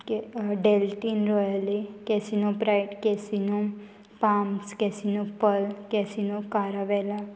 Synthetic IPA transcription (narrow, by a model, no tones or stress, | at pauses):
kɖelʈinɾɔjəlikɛsinũpɾaɪʈkɛsinu | pamskɛsinũpəlkɛsinũkaɾaʋɛla